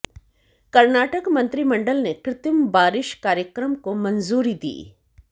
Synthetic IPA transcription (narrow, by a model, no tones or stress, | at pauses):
kɐɾnaːʈəkmɐ̃nt̪ɾimɐ̃ɳɖəlnekɾɪt̪əmbaːɾɪʃkaːɾjəkɾəmkomɐnzuːɾid̪ḭː